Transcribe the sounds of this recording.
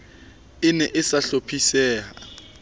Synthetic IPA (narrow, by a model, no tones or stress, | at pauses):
ɪnɛʔɪsaɬopʰisɛːɦa